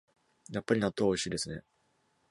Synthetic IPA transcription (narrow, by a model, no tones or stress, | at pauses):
japːaɾʲinat̪ːoβo̞iɕiːd̪e̞sɨne̞